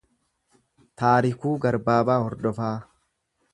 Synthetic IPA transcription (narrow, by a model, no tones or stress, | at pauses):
t̪aːɾɪkuːɡɐɾbaːbaːhɔɾd̪ɔfaː